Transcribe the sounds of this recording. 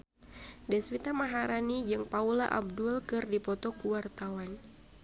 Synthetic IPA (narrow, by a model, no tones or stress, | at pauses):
dɛswit̪amaɦaɾanid͡ʒɨŋpaulaʔa̰b̚dulkɨrdipɔt̪ɔkuwart̪awan